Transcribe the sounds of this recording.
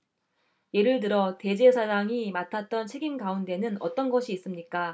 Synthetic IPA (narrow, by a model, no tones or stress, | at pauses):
je̞ɾɯɭt̬ɯɾʌte̞d͡ʑe̞sʰad͡ʑaŋimatʰat̚t͈ʌnt͡ɕʰe̞ɡimɡaunde̞nɯnʌ̰t͈ʌnɡʌɕʰiːs͈ɯmɲik͈a